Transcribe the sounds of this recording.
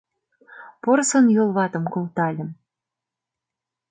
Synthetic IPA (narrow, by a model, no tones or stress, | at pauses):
porsɤ̆njolˠβɑt̪ɤ̆mkolˠt̪ɑlʲə̆m